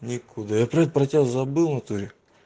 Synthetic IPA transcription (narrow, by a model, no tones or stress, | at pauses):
nʲɪkʰʊd̪ajapɾɐɛt̪əpɾɐtʲest̪zɐbɨlˠnɐt̪uɾʲɪ